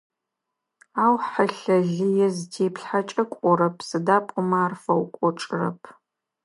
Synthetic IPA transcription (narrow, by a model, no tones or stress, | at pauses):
aːwħəɬɐɮɨjɛztʰeːpɬħat͡ʃʼɐkʷʼɔɾɐpʰsɨdaːpʼʊmaːrfɐwkʷʼɔʈ͡ʂʼrɐ̰pʰ